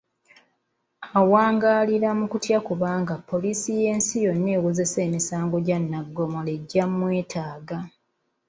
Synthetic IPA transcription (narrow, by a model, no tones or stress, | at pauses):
awaːŋɡaliɾamukutjakuβaːŋɡapːo̞lisije̞ːnsijo̞nːe̞ːwuzese̞ːmisaːŋɡo̞ɟanːaɡːo̞moleɟːamːwe̞ːtʰaːɡa